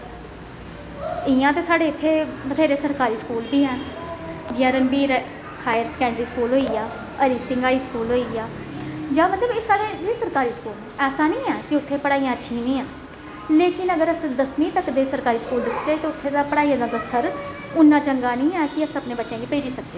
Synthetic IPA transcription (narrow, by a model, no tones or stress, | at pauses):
ɪãːt̪eːsaːɽeːɪt̪ʰːeːbət̪ʰeːɾeːsəɾkaːɾiːskuːlbiːɦɛ̃ː | d͡ʒãːɾəmbiːɾ | haːjəɾskɛ̃ːɳɖɾiːskuːlɦoːiːaː | əɾiːsɪŋɡaːiːskuːlɦoːiːaː | d͡ʒãːmət̪ləbeːsaːɽeːd͡ʒiːsəɾkaːɾiːskuːl | ɛːsaːnĩːɛːkɪʊt̪ʰːeːpəɽaːiːãːətːʃʰĩːnĩːãː | leːkɪnəɡəɾəsd̪əsmĩːt̪əkd̪eːsəɾkaːɾiːskuːld̪ɪksd͡ʒeːt̪eːʊt̪ʰːeːt̪aːpəɽaːiːãːd̪ãːd̪əst̪ʰəɾ | ʊnːãːt͡ʃəŋɡaːnĩːɛːkɪəsəpnẽːbətːʃãːɡiːpəːd͡ʒiːsək̚d͡ʒeː